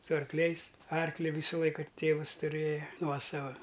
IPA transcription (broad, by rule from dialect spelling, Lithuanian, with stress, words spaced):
sʊ ɐrkˈlʲɛɪs ˈɐrklʲɪ ˈʋʲiːsɐ ˈlˠɐɪkɐ ˈtʲeːʋɐs tʊˈrʲeːjɛ ˈnuɔsɐʋɐ